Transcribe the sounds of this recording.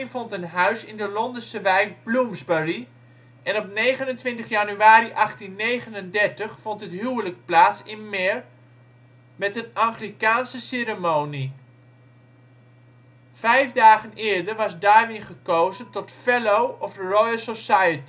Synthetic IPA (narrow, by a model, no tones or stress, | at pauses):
nfɔntənɦœɥsɪndəlɔndəsəʋɛjk̚blumzbəri | ʔɛnɔpnejχənəntʋɪntəχjanyaːɾiʔɑχtinːejχənəndɛɹtəχfɔntɦətɦywələk̚plaːtsɪnmɪɹ | mɛtənaŋχrikaːnsəsɪɾəmowni | fɛjfdaːχənɪːɹdərʋɑsdaːɹʋɪnχəkowzəntɔtfɛlowɔfərɔjsosajəti